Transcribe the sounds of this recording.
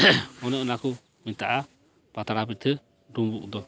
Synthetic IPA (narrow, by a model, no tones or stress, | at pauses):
ɔnɛʔɔnaku | mint̪aʔa | pat̪aɾabit̪ʰɛ | dumbuʔd̪ɔ